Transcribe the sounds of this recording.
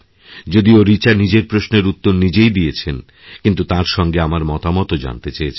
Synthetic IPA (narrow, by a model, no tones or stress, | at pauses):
d͡ʑod̪ioɾit͡ɕaɾnid͡ʑeɾpɾosneɾut̪ːoɾnid͡ʑejd̪ijet͡ɕʰen | kint̪ut̪aɾʃɔŋɡeamaɾmɔt̪amɔt̪od͡ʑa̰nt̪et͡ɕaet͡ɕʰe